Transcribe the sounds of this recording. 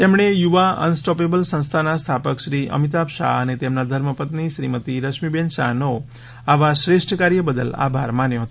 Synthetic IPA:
t̪emɳejuʋaə̰nsʈɔpebəlsə̃st̪ʰanast̪ʰapəkʃɾiə̰mit̪̬apʃa̰ənet̪emnad̪ʱəɾməpət̪niʃɾimət̪iɾəʃmibenʃa̰no | aʋaʃɾeʃʈʰəkaɾjəbəd̪əla̰bʱaɾmanjoɦət̪

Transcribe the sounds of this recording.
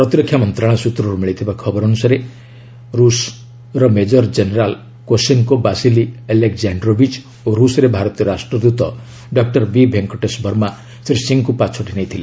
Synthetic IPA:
pɾɔt̪iɾɔkʰːjamɔnt̪ɾãɔsut̪ɾɔɾumiɭit̪ʰibakʰɔbɔɾɔnusaɾe | ɾus | ɾɔmed͡ʒɔɾd͡ʒeneɾal | koseŋkobasilielekzaɳɖɾobʱid͡ʒ | oɾusɔɾebʱaɾɔt̪ijɔɾasʈɾɔd̪ut̪ɔ | ɖɔk̚ʈɔɾbibʱeŋkɔʈesbʱɔɾma | sɾisiŋkupat͡ʃʰɔʈinajt̪ʰile

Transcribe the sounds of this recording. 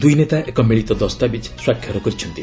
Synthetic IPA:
d̪ujnet̪aʔekɔmiɭit̪ɔd̪ɔst̪abid͡ʒswakʰːjɔɾɔkɔɾit͡ʃʰɔnt̪i

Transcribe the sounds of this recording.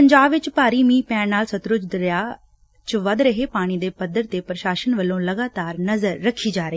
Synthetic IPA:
pɐ̃ɲd͡ʑaːbʋɪt͡ɕpaːɾimiːpaːɽnaːlsɐt̪ɾʊd͡ʒd̪ɾja | t͡ɕʊʋɐd̪ɾɐɦepaːɽ̃id̪epɐd̪əɾt̪epɾɐʃaːʃənʋɐlõlɐɡaːt̪aːɾnɐzəɾːɐkʰid͡ʒaːɾeː

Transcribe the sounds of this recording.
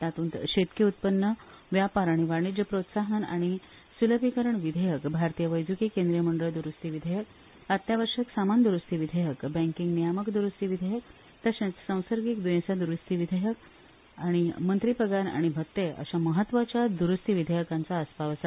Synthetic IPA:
t̪at̪uːnt̪ɕet̪kiut̪̚pənːə | ʋjapaɾaɽ̃iʋaɾɳ̃id͡ʑəpɾot̪saɦəna̰ɽ̃i | suləbʱikəɾəɳʋid̪ʱəjəkbʱaɾt̪ijəʋəjd͡zukikẽnd̪ɾijəməɳɖəɭd̪uɾust̪iʋid̪ʱəjək | at̪jaʋəɾʂəksamand̪uɾust̪iʋid̪ʱəjəkbɛ̃ŋkiŋɡnijaməkd̪uɾust̪iʋid̪ʱəjək̚ | t̪əɕjãt͡ssə̃w̃səɾɡikd̪ujẽsad̪uɾust̪iʋid̪ʱəjək̚ | aɽ̃imənt̪ɾipəɡana̰ɽ̃ibʱət̪ːeə̰ɕaməɦət̪ːʋat͡ɕjad̪uɾust̪iʋid̪ʱəjəkant͡saːspaʋəsa

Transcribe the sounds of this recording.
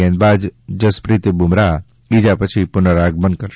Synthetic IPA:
ẽːnbaːd͡ʒd͡ʒəspɾiːt̪əbumɾa | iːd͡ʒapət͡ʃʰipʊnəɾaːɡ̚bənd̪̚kəɾ

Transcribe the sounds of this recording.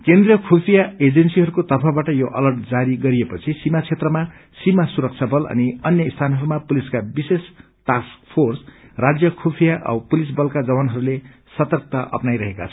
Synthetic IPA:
kend̪rijʌkʰopʰijaed͡zensiɦʌɾukot̪ʌpʰabaʈʌjoʔʌ̰lʌrʈd͡zaɾiɡʌɾiepʌt͡sʰisimat͡sʰet̪rʌma | simasuɾʌk̚t͡sʰabʌlʌ̰niʌnjʌist̪ʰanɦʌɾumapuliskabises | ʈask̚pʰorsrad͡zjʌkʰopʰijaʔʌ̰bpulisbʌlkad͡zʌbanɦʌɾule | sʌt̪ʌrk̚t̪aʔʌ̰pnajɾʌɦeka̰t͡sʰʌ

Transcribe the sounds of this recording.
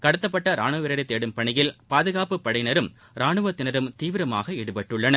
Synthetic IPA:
kɐɽɯt̪ːɐp̬ːɐʈːɐɾaːɳɯʋɪɾɐɾɪt̪ːeːɽɯmpɐɳɪjɪlpaːðɯɣaːpɯpːɐɽɐɪnɐɾɯm | ɾaːɳɯʋɐt̪ːɪnɐɾɯmt̪iːʋɪɾɐma̰ːɣɐɛɽɯpɐʈːɯɭːɐnɐ

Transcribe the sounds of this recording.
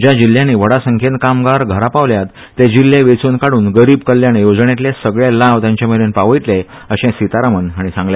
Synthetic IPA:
d͡ʑjad͡ʑil̤ːjãniːʋəɽasəŋkʰenkamɡaɾɡʱəɾapaʋljat̪ːed͡ʑilːeʋet͡suːnkaɽuːnɡəɾiːbkəljanejod͡zɳjeat̪̬lesəɡɭelaʋt̪jãɲt͡ɕaməlenpaʋəjʈ̪le | əɕẽsit̪aɾamənaɽ̃isãŋɡlja

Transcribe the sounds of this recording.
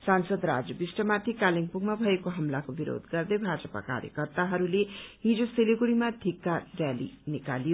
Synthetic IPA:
sansʌd̪ɾa̰d͡zʌbisʈʌmat̪ʰikaliŋpuɡmabʱʌekoɦʌmlakobiɾo̰d̪ɡʌrd̪ʌjbʱad͡zʌpa̰ka̰ɾjʌ̰kʌrt̪aɦʌɾuleɦid͡zoseliɡuɽimad̪ʱikːarjalḭnikalijo

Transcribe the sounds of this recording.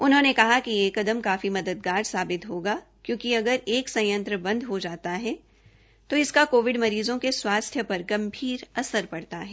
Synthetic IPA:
ʊnɦõːnekɐɦakijeːkɐd̪əmkaːfimɐd̪əd̪̚ɡaːɾsaːbɪt̪ɦoːɡaː | kjõːkiɐɡəɾeːksɐ̃jə̃nt̪ɾəbɐ̃nd̪ɦod͡ʒaːt̪aɦɛː | t̪oɪskakoːʋɪɖmɐɾiːzõkeswaːst̪ʰjəpɐɾɡɐ̃mbʱiːɾɐsəɾpɐɽt̪aɦɛː

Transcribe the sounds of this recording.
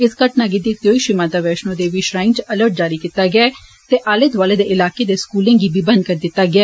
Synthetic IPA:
ɪskəʈnaːɡeːd̪ɪkʰt̪ijoːiːʃɪmaːd̪aːʋɛːʃnõːd̪eːʋiːʃɾaːɪ̃nt͡ʃələɾʈ̚d͡ʒaːɾiːkit̪ːaːɡɪɛː | t̪eːʔaːlet̪ʋaːleːd̪eːʔɪlaːkeːd̪eːskuːlẽːɡiːbiːbənkəɾd̪ɪt̪ːaːɡɪaː

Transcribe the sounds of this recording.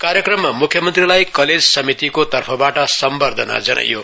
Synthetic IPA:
kaɾjekrʌmːamukʰjʌmʌnt̪rilajkʌled͡zsʌmit̪ikot̪ʌrpʰʌbaʈʌsʌmbʌrd̪ʱʌna̰d͡zʌnʔʌ̰jo̰

